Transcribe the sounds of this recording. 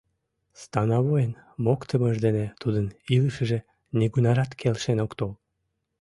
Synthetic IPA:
st̪ɑnɑβojənmokt̪əməʒd̪enet̪ud̪əniləʃəʒe | niɡunɑɾɑt̪kʰelʃenokt̪ol

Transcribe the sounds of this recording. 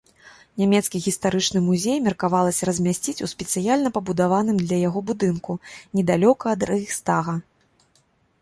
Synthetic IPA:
nʲamʲɛt̪skʲiɣʲist̪aɾɨt͡ʂnɨmuzʲejmʲɛrkavalˠɐsʲɐɾɐzʲmʲasʲt͡sʲit͡sʲuspʲɛt̪sɨjalʲnɐpɐbud̪avanɨmd̪lʲɐjaɣɔbud̪ɨnkunʲɛd̪alʲɔkɐːd̪rɐixst̪aɣɐ

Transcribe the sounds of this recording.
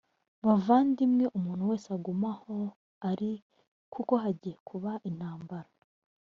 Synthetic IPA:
mavaːndimŋe̞ʔumuːn̥huwe̞ːseaɡumaho̞ | aɾi | kʰuko̞ɦaɟiːjekʰuβaʔin̥haːmbaɾa

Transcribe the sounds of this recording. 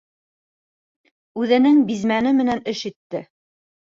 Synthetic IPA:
ʉðɘ̆nɘŋbizmænɘmɘ̆nænɘʃit̪ːɘ

